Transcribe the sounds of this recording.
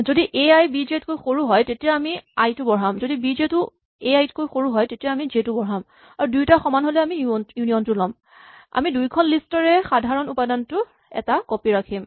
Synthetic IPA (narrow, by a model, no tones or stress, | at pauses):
zodiʔeajbizietkojxoɹuɦɔjtetijaamiajtʊbɔɹamzodibizetʊ | eajtkojxoɹuɦɔjtetijaamizetʊbɔɦam | aɹudujtaxɔmanɦolɛamijuniɔntʊlɔm | a̰midujkʰɔnlistɔɹɛxadʱaɹɔnupadantʊ | ɛ̰takopiɹakʰim